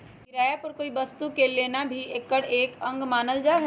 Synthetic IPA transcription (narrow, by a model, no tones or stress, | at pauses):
kɪɾaːjapəɾkoːibɐst̪ukeleːnabʱieːkːəɽeːkə̃ŋɡmaːnəld͡ʒaːɦɛ